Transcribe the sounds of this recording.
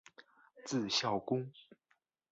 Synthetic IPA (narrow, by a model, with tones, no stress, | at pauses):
t͡sɹ̩˥˧ɕjɑ˥˨˩ʊkʊ˥ŋ